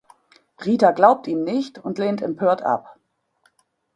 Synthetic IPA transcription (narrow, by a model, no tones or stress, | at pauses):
ʁiːtaɡlaʊp̚tiːmnɪçtʊntleːntɛmpʰøːɐtʰʔa̰p